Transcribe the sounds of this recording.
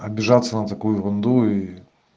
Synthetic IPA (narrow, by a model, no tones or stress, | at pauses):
ɐbʲɪʐat̪sːənɐt̪ɐkujʊɾʊnd̪ui